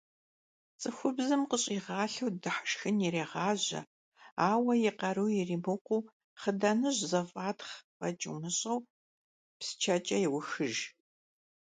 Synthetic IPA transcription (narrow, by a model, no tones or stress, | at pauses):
t͡sʼɨxʷʊbzɨmqəɕʼiːʁɑːɬɐwdɨħə̥ʂxɨniɾeːʁɑːʑɐ̰ | aːwɐjɪqɐɾɨwjɪriːmɨqʷuː | χədɐnɨʑzɐfʼaːtχvɐt͡ʃʼɨ̰wnɨɕʼɐw | psɨ̥t͡ʃʰɐt͡ʃʼɐjɪwʊxɨʒ